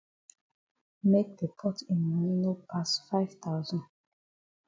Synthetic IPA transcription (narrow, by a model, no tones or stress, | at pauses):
mek̚ðəpʰɔtĩnmaninopʰasfaɪv̥t̪aʊzɔ̃nd